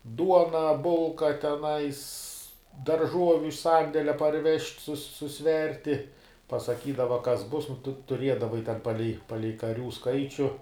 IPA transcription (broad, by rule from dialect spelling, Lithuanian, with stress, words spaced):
ˈduɔnɐ ˈbʊlˠkɐ tʲɛˈnɐɪs dɐrˈʒuɔʋʲʊ ɪʃ ˈsɐnʲdʲɛlʲɛ pɐrʲˈʋʲɛʃʲtʲ sʊs sʊˈsʲʋʲɛrʲtʲɪ pɐsɐˈkʲiːdɐʋɐ ˈkɐs ˈbʊs nʊ ˈtʊ tʊˈrʲiɛdɐʋɐɪ tʲɛn ˈpɑːlʲɛɪ ˈpɑːlʲɛɪ kɐˈrʲuː ˈskɐɪt͡ʃʲʊ